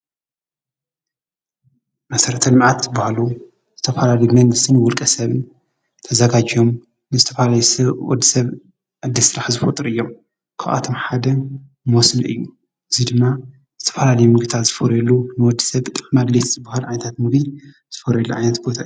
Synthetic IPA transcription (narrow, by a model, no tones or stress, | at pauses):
mɐsɐɾɐt̪ʰɐlɨmʕat̪zɨbahalu | z̥ɨt̪ʰɐfalalɐjumɐŋɡɨst̪ʰɨnwɔlkʼɐsɐβɨn | t̪ʰɐzɐɡad͡ʒijo̞m | nɨzɨt̪ʰɐfalajusɐwɔ̰d̪ːisɐβ | ʕɨd̪ːisɨɾaħzɨfot̪ʼɨɾɨjːo̞m | kʰaʔʔa̰t̪ʰo̞mħad̪ɐ | mosnɐ̰ʔɨ̰jːu | ʔɨzid̪ɨmːa | z̥ɨt̪ʰɐ̥falalɐjumɨɡt̪ʰat̪z̥ɨfɐɾjɛlːunɨwɔd̪ːi̥sɐβt̪ʼɨħmad̪let̪z̥ɨbahalʕajnɐt̪ʰat̪mɨɡni | z̥ɨfɐɾjɛlːuʕa̰jnɐt̪bo̞t̪ʰaɨj